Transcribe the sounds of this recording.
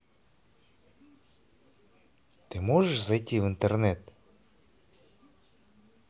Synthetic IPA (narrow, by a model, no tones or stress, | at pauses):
t̪ɪmɔʒɛʃzɐjt̪ʲɪwint̪ernɛt̪